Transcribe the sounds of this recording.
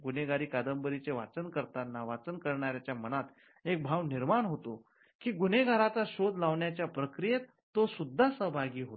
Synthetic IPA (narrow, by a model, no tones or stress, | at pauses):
ɡuneɡaɾiːkad̪əmbəɾit͡seʋa̰t͡sənkəɾt̪anːaʋat͡sənkəɾɳaɾjat͡ɕjamənat̪ | ek̚bʱaʋniɾmaɳɦot̪o | kiːɡuneɡʱaɾat͡saɕod̪laʋɳjat͡ɕjapɾəkɾijet̪ːosud̪ʱːasəɦbʱaɡiːɦot̪